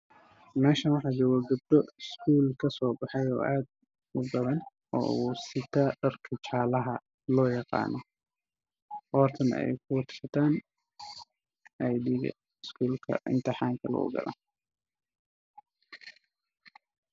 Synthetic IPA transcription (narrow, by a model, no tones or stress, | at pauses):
mɛːʃɐnwɑħɑːd͡ʒɔwɐɡʊb̚d̪ɔɪskuːlkʰɐsɔːbɑħɑjɔ̰ːʔaːd̪ | ʊɡɐβɐn | ɔ̰ːɣusɪt̪ʰaɖɐrkʰɐt͡ʃaːlɐɦɐ | lɔːjɑqɑ̰ːnʔɔ | ʔɔːrt̪ʰɐnɛ̰jɛ̰jkʰʊwɐt̪ʰʃɐt̪ʰaːn | ʔɐjd̪iːɡɐ̰ | ɪskʰuːlkʰɐ̰ʔɪ̰nt̪ʰɪħɑːŋkʰɐlɐ̰ɡɐ̰lɐ̰